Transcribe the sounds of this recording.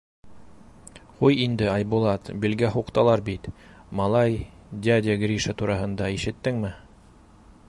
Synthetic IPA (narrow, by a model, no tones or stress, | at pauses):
qujind̪ɘɑjbulˠɑt̪bilɡæɦuqt̪ɑlˠɑɾbit̪ | mɑlˠɑjdʲad̪ʲɪɡrʲiʃət̪uɾɑɦɤ̆nd̪ɑiʃɘ̆t̪ːɘŋmɘ